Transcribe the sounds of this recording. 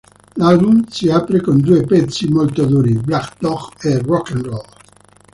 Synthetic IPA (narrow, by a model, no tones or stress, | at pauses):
lalbunsiaːpɾekond̪uepɛt̪sːimolt̪od̪uːɾiblakd̪ɔkerɔkːɛnrɔl